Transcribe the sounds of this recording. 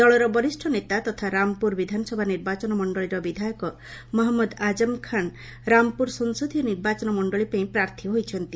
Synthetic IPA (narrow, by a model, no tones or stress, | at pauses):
d̪ɔɭɔɾɔbɔɾisʈʰɔnet̪at̪ɔt̪ʰaɾampuɾbid̪ʱanɔsɔbʱaniɾbat͡ʃɔnɔmɔɳɖɔɭiɾɔbid̪ʱajɔkɔ | mɔɦɔmːɔd̪ad͡ʒɔmkʰan | ɾampuɾsɔŋsod̪ʱijɔniɾbat͡ʃɔnɔmɔɳɖɔɭipaĩpɾaɾt̪ʰiɦojt͡ʃʰɔnt̪i